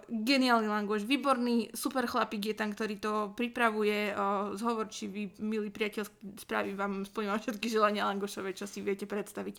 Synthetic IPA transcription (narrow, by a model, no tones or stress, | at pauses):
ɡɛniaːlnilaŋɡɔʃʋiːbɔɾniːsupɛɾxlapiːɡjɛt̪ɛnkt̪ɔɾiːt̪ɔpɾipɾaʋujɛzɦɔʋɔɾt͡ʃiʋimiliːpɾiacɛʎskspɾa̰ːʋiʋaːmspɔiːmaʃɛt̪kiʒɛlaɲɪalaŋɡɔʃɔʋɛt͡ʃɔsiʋɪɛcɛpɾɛt̪st̪aʋic